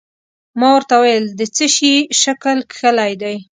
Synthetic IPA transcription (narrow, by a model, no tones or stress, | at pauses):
mɑwəɾt̪awajəld̪ət͡səʃiʃakəlkxəlajd̪aj